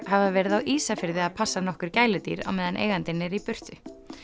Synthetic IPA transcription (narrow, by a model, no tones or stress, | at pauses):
havavɛːɾɪðawʔiːsafɪɾðɪaðpʰasːanɔhkʏɾ̥caːjlʏt̪ḭːɾa̰wmɛːðanʔḛːjɣant̪ɪnːɪɾipʏr̥t̪ʏ